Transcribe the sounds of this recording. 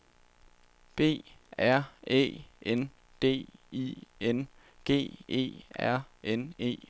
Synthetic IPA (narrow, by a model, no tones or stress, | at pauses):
b̥e̝̰ːæɐ̰ḛːʔen | d̥e̝̰ːḭen | ɡ̥e̝̰ːe̝̰ːæɐ̰ene̝̰ː